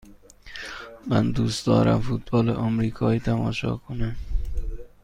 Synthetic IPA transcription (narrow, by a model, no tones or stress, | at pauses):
mænd̪uːst̪d̪ɒ̰ːɾæ̰mfut̪̚bɒːleʔɒmɾiːkʰɒːiːt̪ʰæmɒːʃɒ̰ːkʰonæm